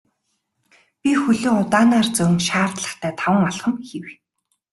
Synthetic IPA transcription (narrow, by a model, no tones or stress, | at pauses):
pʲixɵɮoːʊt̪aːnaːrt͡sɵwŋʃaːrt̪ɮə̆χt̪ʰæːt̪ʰawə̆ŋɔɮχə̆mxew̆